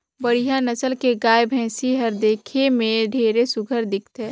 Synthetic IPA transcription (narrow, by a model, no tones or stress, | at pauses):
bəɽ̤ijanəsəlkeɡaːjbʱɛ̃ːsiɦəɾd̪eːkʰemẽɖʱeːɾesʊɡʱəɾd̪ɪk̚ʰt̪ɛː